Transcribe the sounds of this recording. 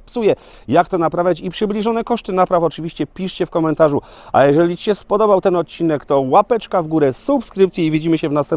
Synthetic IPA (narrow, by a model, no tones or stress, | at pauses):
psujɛ | jakt̪ɔnapɾavʲjat͡ɕipʂɘblʲiʐɔnɛkɔʂt̪ɘnapɾafɔt͡ʂɘvʲiɕt͡ɕɛpʲiʂt͡ɕɛfkɔmɛnt̪aʐu | ʔa̰jɛʐɛlʲit͡ɕiɕɛspɔd̪ɔbawt̪ɛnɔt̪̚t͡ɕinɛkt̪ɔwapɛt͡ʂkavɡuɾɛsupskɾɘp̚t̪sʲjɛivʲid͡ʑimɘɕɛvnast̪ɛm